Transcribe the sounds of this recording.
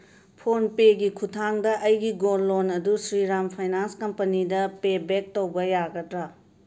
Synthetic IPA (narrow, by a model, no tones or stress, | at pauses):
pʰonpeɡikʰutʰaŋdɐʔɐjɡiɡolːonɐdusɾiɾampʰajnanskɐmpɐnidɐpebek̚towbɐjaɡɐtɾɐ